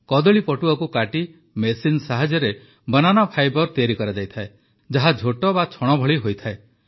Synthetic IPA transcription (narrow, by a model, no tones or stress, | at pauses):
kɔd̪ɔɭipɔʈuɔkukaʈi | mesinsaɦad͡ʒɔɾe | bɔnanɔpʰajbɔɾt̪iaɾikɔɾad͡ʒajt̪ʰae | d͡ʒaɦad͡ʒʱoʈɔbat͡ʃʰɔɽ̃ɔbʱɔɭiɦojt̪ʰae